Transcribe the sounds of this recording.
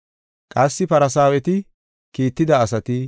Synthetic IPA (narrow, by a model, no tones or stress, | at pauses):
kʼɐsːɪpɐɾɐsaːwɛt̪ɪ | kiːt̪ːɪd̪ɐːsɐt̪ɪ